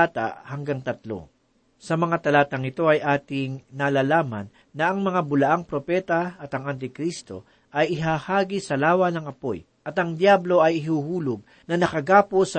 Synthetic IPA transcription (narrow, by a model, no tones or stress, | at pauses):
at̪ɐ̰hɐŋɡaŋt̪ɐt̪lo̞̰ | sɐmɐŋat̪ɐlaːt̪ɐŋɪt̪o̞ɐjʔaːt̪ɪŋnalaːlaːmɐ̰nːɐʔɐŋmɐŋabʊlɐʔaŋpɾo̞pɛːt̪ɐɐt̪ɐŋɐnt̪̬ɪkɾist̪o̞̰ | ʔɐjɪɦaːhaːɡisɐlaːwɐnɐŋɐpo̞̰j | ʔɐt̪ɐŋd̪jablo̞ɐjɪɦuːhuːlʊɡ̚ | nɐnɐkɐɡaːposɐ